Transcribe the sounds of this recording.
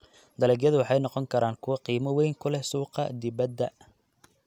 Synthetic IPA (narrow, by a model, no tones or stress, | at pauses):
d̪ɐlɛːɡjɐðʊwɑħɑjnɔqɔŋkʰɐɾaːŋkʰʊwɐqiːmɐwɛjŋkʰʊlɛsuːqɑ̰d̪ɪβɐd̪ːɐ